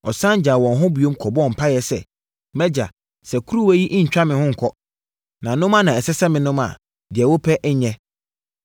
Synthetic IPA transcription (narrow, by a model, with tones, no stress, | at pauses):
ɔ˨sã˦ɲ˦d͡ʑa˨wɔ̃˨nɦʊ̃˦bi˨o˦mkʰɔ˨bɔ˦˨m̩˨pʰa˦jɛ˨sɛ̰˨ | mɛ˦d͡ʑa˨ | sɛ˨kʰu˦ɾu˦wæ˦ji˦ʔɲ̩˨t͡ɕᶣa˦mɪ̃˨hʊ̃˦ŋ̩˨kʰɔ˦ | nã˨nʊ̃˦mã˦nã˨ɛ˨sɛ˦sɛ˦mɪ̃˨nʊ̃˦mã̰˨ | dɪ˨ɛ˨wo˦pʰɛ˦ʔɛ˦ɲɛ̃˦